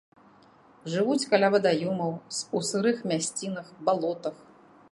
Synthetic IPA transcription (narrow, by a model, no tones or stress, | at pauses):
ʐɨvut͡sʲkɐlʲavɐd̪ajɔmɐwsusɨɾɨxmʲasʲt͡sʲinɐxbalˠɔt̪ɐx